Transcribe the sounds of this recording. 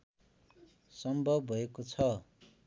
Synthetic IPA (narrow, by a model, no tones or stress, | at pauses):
sʌmbʱʌbːʱʌekot͡sʰʌ